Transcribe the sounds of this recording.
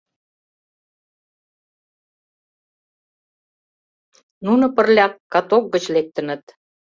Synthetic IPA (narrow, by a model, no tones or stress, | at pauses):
nunŏpərlʲɑkːɑt̪ok̚ɡət͡ɕlek̚t̪ənə̆t̪